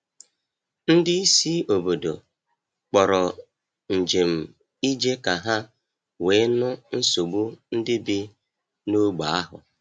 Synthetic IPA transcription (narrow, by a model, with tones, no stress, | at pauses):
n̩˦dɪ˦i˦si˦o˨bo˨do˨ | k͡pɔ˨ɾɔ˨ | n̩˨d͡ʒe˨m̩˨ | i˦d͡ʒe˦ka˨ɦa˦ | weː˨˦nʊ˦n̩˦so˨ɡ͡bu˦n̩˦dɪ˦bɪ˦ | nu˦ɡ͡ba˨˦a˦ɦʊ̰˨